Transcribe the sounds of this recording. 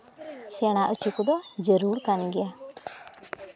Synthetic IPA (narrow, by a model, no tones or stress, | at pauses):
sɛɽ̃aʔət͡ʃukud̪ɔd͡ʒəɾuɾkanɡɛja